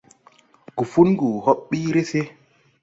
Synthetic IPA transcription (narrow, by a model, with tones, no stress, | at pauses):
ɡ̥u˨fu˦nɡu˨ho˦ɓːi˦ɾe˦se˦